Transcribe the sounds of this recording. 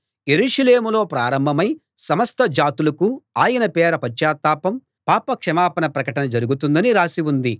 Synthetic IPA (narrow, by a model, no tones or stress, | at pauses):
je̞ɾuːʂɐleːmulo̞ːpɾaːɾɐmbʱɐmɐj | sɐmɐst̪ɐd͡ʒaːt̪ulɐkuaːjɐnɐpɛːɾɐpɐt͡ʃːaːt̪aːpɐm | paːpɐkʂɐmaːpɐnɐpɾɐkɐʈɐnɐd͡ʒɐɾuɡut̪und̪ɐniɾaːsiwund̪i